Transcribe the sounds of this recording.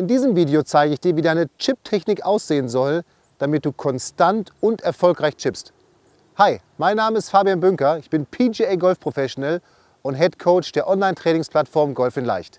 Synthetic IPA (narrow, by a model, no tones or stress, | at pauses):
ʔɪndiːzəmviːdeot͡saɪɡəɪçd̥iːɐviːdaɪnət͡ʃɪp̚tʰɛçnɪkʔa̰ʊsz̥eːənzɔl | d̥amɪt̚d̥uːkʰɔnstantʊntɛɐfɔlkʁaɪçt͡ʃɪpst | haɪ | maɪnːaːməɪstfaːbianbʏŋkɐɪçb̥ɪnpʰid͡ʒeːeːɡɔlfpʁ̥ofɛsʃonɛl | ʔʊntɦɛtkʰoʊt͡ʃd̥eːɐʔɔnlaɪntʁ̥ɛːnɪŋspʰl̥atfɔɐmɡɔlfɪnla̰ɪçt